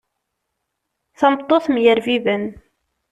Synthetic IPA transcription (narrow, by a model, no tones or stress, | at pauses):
θɑmət̪ˤːoθmjəɾvivən